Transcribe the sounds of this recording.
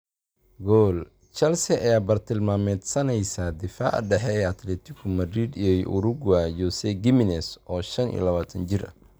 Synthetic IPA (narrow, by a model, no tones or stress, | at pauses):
ɡɔːl | t͡ʃɐlsɛʔɐjaːbɐrt̪ʰɪlmaːmɛd̪sɐnɛjsaːd̪ɪfa̰ːʕ̰ɖɛħɛɛːɐt̪lɛːt̪ʰɪkʰʊmɐd̪ɾid̪ijɔjʔʊɾʊɡajɔsɛɡɪmɪnɛsʔɔːʃɐnḭːlɐβaːt̪ʰɐnt͡ʃɪrɐ̰